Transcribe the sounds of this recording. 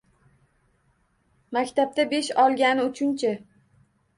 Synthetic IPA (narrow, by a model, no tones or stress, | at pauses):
makʲt̪ʰap̚t̪abe̞ʃɒlˠɡʲanɪʊt͡ʃʰʊnt͡ʃʰa